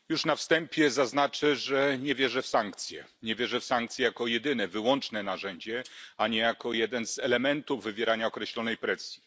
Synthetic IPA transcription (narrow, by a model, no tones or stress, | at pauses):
juʂnafst̪ɛmpʲjɛzaznat͡ʂɘʐɛɲɛvʲjɛʐɛfsaŋkt̪sʲjɛ̰ɲɛvʲjɛʐɛfsaŋk̚t̪sʲjɛjakɔjɛd̪ɘnɛvɘwɔnt͡ʂnɛnaʐɛɲd͡ʑɛaɲɛjakɔjɛd̪ɛnz̥ɛlɛmɛnt̪uvːɘvʲjɛɾaɲaɔkɾɛɕlɔnɛjpɾɛsʲji